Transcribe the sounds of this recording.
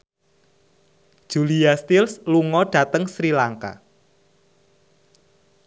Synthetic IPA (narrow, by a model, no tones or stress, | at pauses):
d̥ʒ̥uliast̪ilsluŋɔɖ̥ä̤t̪əŋsɾilaŋka̰